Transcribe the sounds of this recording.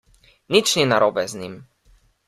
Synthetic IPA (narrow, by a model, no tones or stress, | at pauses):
nit͡ʃninaɾɔbɛznim